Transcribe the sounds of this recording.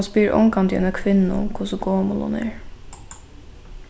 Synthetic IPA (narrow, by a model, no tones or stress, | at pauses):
nspiːɾʔɔ̰ŋkɑnd̪jɛ̰nəkʰʋɪnn̩ʊ̰mkʰʊsʊɡoːmʊlʊ̰nḛːɹ